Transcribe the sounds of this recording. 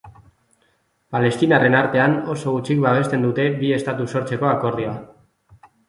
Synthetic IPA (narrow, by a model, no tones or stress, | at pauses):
pale̞st̪inare̞naɾt̪e̞anoso̞ɣut͡ʃikβaβ̞e̞st̪e̞nd̪ut̪e̞βie̞st̪at̪uso̞ɾt͡se̞ko̞ako̞rioa